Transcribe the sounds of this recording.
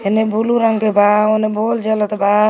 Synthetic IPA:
ɦenebʱuluɾəŋɡkebaonebold͡ʒələt̪ba

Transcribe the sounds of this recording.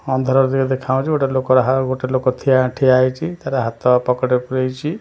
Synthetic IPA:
ɔnd̪ʱɔɾɔɾd̪iked̪ekʰaũt͡ʃʰioʈelokɔɾɦaɡoʈelokɔt̪ʰijãʈʰiajt͡ʃʰit̪aɾaɦat̪ɔapɔkɔʈepuɾejt͡ʃʰi

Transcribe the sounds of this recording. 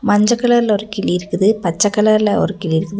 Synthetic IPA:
mɐɲd͡ʒɐkːɐɭɐɾlɔɾɯkːɪlɪɾɯkːɯðɯpɐt͡ʃːɐkːɐɭɐɾlɐɔ̰ɾɯkːɪlɪɾɯkːɯðɯ

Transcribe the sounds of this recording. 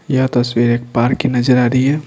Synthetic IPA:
jəɦt̪əswiɾek̚paɾkːinəd͡ʒəɾaɾiɛ

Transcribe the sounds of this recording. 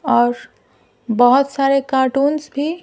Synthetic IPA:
ɔːɾ | bəɦut̪saɾekaʈuːnsbʱi

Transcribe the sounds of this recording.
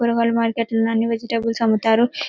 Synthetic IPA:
uɾɐkalɐmaːɾkeʈlɐnɐnːiʋɐd͡ʒiʈebulsɐmut̪aːɾu

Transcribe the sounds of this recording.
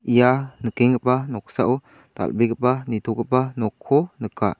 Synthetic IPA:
ʔijanəkiŋkəpanɔksaʔu | t̪a̰lbikəpanit̪ʰukəpanɔkʰːonəka

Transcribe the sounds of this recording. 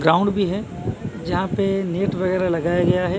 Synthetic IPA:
ɡɾaːʊ̃ɳɖbʱiɦɛː | d͡ʒɐɦãpeneːʈʋɐɣɛːɾalɐɡaːjaɡɐjaɦɛ

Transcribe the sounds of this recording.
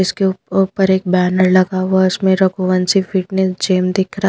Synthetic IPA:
ɪskepəɾeːk̚bæːnəɾlɐɡaaɪsmẽɾɐkoʋənsifɪʈnesd͡ʒeːmd̪ɪkʰɾa

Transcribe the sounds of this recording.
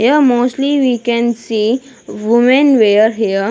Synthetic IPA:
jəmosliʋikɛ̃nsi | ʋumẽnʋejəɾɦiə

